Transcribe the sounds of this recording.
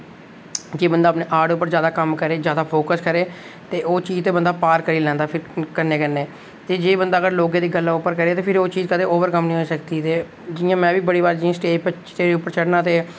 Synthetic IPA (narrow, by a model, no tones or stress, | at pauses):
d͡ʒeːbənd̪aːpneːʔaːɖʊpːəɾzjaːd̪aːkəmkəɾeːzjaːd̪aːpʰoːkəskəɾeː | t̪eːʔoːt͡ʃiːzt̪eːbənd̪aːpaːɾkəɾiːlɛ̃ːnd̪aːpʰɪɾkəɾneːkəɾneː | t̪eːd͡ʒeːbənd̪aːɡəɾloːɡẽːd̪iːɡəlːaːʊpːəɾkəɾeːt̪eːpʰɪɾoːt͡ʃiːzkəd̪eːoːʋəɾkəmnəĩːɦoːsəkt̪iːt̪eː | d͡ʒɪjãːmɛ̃ːʋiːbəɽiːʋaːɾd͡ʒɪãːsʈeːpt͡ʃʈ̪eːʊpːəɾt͡ʃʰəɽnaːt̪eː